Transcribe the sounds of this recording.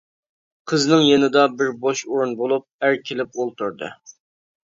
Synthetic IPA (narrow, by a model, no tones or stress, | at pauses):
qʰəznɨŋjenɨd̪ɑbɪɾboʃoɾunbolˠup̚æɾkʲʰelɪp̚olˠt̪ʰuɾd̪ɨ̰